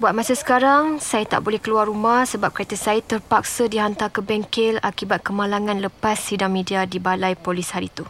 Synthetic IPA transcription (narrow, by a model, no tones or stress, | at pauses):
buat̪̚mãsasə̥kaɾaŋsajat̪a̰ʔbolɛhkəluarumahsəbap̚kat̪əsajat̪ərpak̚sədiɦant̪akəbɛŋkɪlakibat̪̚kəmalaŋãnləppasːidaŋmĩdiadibalajpolishaɾit̪u